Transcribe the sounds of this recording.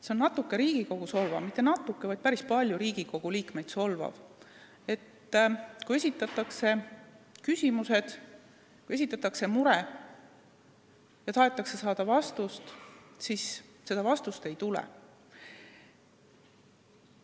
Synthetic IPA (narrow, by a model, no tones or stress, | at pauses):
sennɑt̪ːˑukːe̞ɾiːɡ̥iko̞ɡ̥uso̞lvɑ̰vmit̪ːˑe̞nɑt̪ːˑukːe̞vɑjd̪̥̚pæɾispɑlʲjuɾiːɡ̥iko̞ɡ̥uliːkme̞jd̪so̞lvɑ̰v | e̞t̪ː | kuje̞sʲit̪ːˑɑt̪ːˑɑkse̞kysʲimuse̞d̪̥ | kuje̞s̬ʲit̪ːˑɑt̪ːˑɑkse̞muɾe | jɑt̪ɑɦe̞t̪ːˑɑkse̞sɑːd̪̥ɑvɑst̪ust̪sisse̞d̪̥ɑvɑst̪ust̪e̞jt̪ulɛ̰